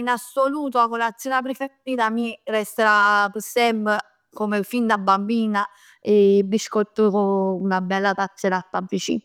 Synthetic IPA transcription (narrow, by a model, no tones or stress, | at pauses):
inasːoluːt̪̬oakolad̪zɔːnap̬ɾefeiːt̪amirɛst̪eɾapəsɛmpe | komefind̪abːambiːna | ebiskɔt̪ːokounabɛlːat̪at͡ʃːeɾat̪ːavːit͡ʃḭːn